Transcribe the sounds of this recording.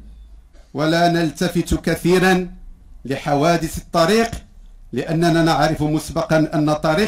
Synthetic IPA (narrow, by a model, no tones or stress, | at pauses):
walanəlt̪afɪt̪kaθiːɾanlɪħawæːd̪ɪsət̪ˤːɑɾiːq | lɪʔanːænaːnaʕɾɪfmʊsbɑqɑnʔanːæt̪ˤːɑɾiː